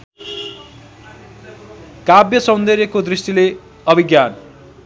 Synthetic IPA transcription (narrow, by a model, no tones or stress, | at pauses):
kabjʌsʌ̃nd̪eɾjekod̪risʈile | ʌbʱiɡjan